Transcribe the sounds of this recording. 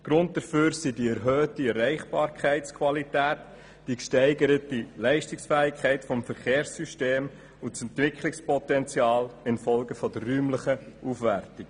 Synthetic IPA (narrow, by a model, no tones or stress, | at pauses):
ɡ̥ɾʊnt̚d̪̥əføːɾsidiɛɾɦøːtiɛrɛɪχb̥ɑːɾkχæɪtt͡skʰʋɑlitæːt | d̥ikʃtɛɪɡəɾətilɛɪʃtɪksfæːɪkχæɪtfɔmfəɾχeːɾsːyʃteːm | ʊsɛntʋɪkχlɪkspɔt̪ɛnt͡sjɑːlɪnfɔlɡəfɔd̪ərːyːmləχəʔufʋærtɪk